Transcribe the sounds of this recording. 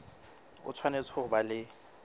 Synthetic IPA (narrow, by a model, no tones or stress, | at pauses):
ʊ̰t͡sʰwanet͡sʰɔʊbalɪ